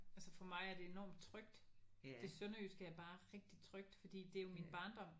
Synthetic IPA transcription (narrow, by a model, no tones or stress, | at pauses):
ælsəfɒ̽mɑ̈ɪæɐd̥e̝e̝nɒ̰ːmd̥̚t͡sʰʁœɡ̥d̥d̥e̝sønɐysɡ̥əæɐb̥ɑ̈ːʁɛɡ̥̚d̥it͡sʰʁœɡ̥̚d̥fɒ̽d̥ḭːd̥e̝æjo̝minb̥ɑ̈ːnd̥ɒ̽m̰